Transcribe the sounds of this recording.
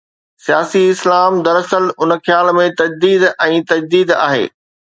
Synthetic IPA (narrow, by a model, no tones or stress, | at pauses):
sijaːsiɪslaːmd̪ɐɾɐsəlʊnəxjaːlmẽt̪ɐd͡ʑd̪iːd̪ɛ̃ːt̪ɐd͡ʑd̪iːd̪a̰ːɦḛː